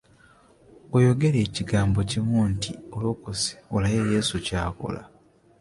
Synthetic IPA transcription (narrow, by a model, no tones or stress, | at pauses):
ojo̞ɡe̞ɾe̞ːciɡaːmbo̞cimuntiolokose̥olajeje̞ːsucaːko̰la̰